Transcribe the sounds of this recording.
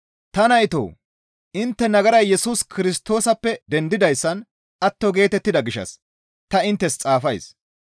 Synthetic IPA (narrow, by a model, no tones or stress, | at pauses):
t̪ɐnɐjt̪o̰ː | ʔɪnt̪ːɛnɐɡɐɾɐjːɛsuːskɪɾɪst̪o̞ːsɐpːɛd̪ɛnd̪ɪd̪ɐjsːɐn | ʔɐt̪ːɔɡe̞ːt̪ɛt̪ːɪd̪ɐɡɪʃɐ̰s | t̪ɐɪnt̪ːɛst͡sʼaːfɐjs